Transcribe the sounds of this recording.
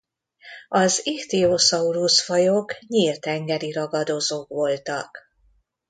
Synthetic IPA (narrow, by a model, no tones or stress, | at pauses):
ɒziht̪iosɒuɾusfɒjokɲilt̪ɛŋɡɛɾiɾɒɡɒd̪ozoːkʋo̞lt̪ɒk